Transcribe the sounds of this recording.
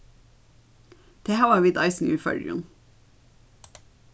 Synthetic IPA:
d̪̥eːhæːʋɑːʋiːd̪ɑɪsn̩jʉ̰ːfœ̰ɖʉ̰n

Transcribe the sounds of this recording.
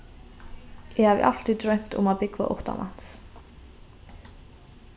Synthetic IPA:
jɛhavɪ̰ʔal̥t̪it̪ɾœɥm̥t̪ʊ̰maðpɪkva̰ʔo̰ht̪a̰mʔa̰n̥s

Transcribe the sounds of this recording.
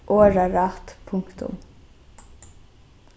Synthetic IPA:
ʔoːɹaɾɑt̪pʰʊŋkt̪ʊ̰m

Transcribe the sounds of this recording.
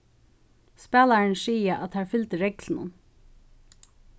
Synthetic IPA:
spæːlaɹnʂiːjaʔat̪haɹfʏlt̪ɪɾɛklnʊ̰n

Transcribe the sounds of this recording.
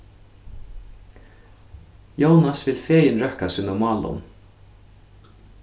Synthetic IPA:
jownasvɪlfeːjɪnɾœhkasɪnɔmaːlʊ̰n

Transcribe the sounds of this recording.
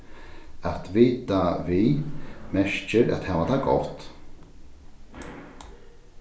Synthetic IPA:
at̪viːt̪aviːmɛʃt͡ʃəɾa̰t̪hɛːvat̪ʰaɡɔ̰ht̪

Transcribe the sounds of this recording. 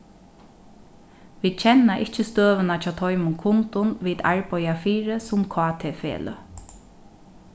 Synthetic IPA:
ʋiːd̪̚t͡ʃʰɛnːaʔɪht͡ʃəst̪øːʋənat͡ʃʰaːt̪ʰɔʏmʊŋkʰʊnt̪ʊnʋiːd̪a̰ɹpɔjafiːɹəsʊmkʰɑːt̪ʰeːfḛːlʊ̰

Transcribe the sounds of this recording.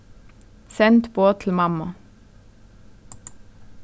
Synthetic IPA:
sɛnt̪boːt̪ʰl̩mɑmɑ

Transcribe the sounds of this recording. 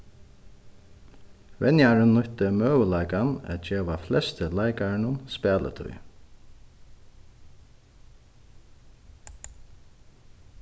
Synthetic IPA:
vɛnjaɹənːʊht̪əmøːʋəlajkanɛ̰t̪̚d͡ʒeːʋaflɛst̪əlajkaɹɪnʊnspæːlʔə̰t̪ʰʊ̰j

